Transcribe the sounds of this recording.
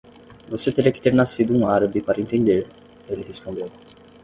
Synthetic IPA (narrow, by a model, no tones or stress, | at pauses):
voset̪eɾiɐkɪ̥t̪eɾnasid̪ʊũaɾɐbipaɾɐĩnt̪ẽnd̪eɾ | elɪhespõnd̪ew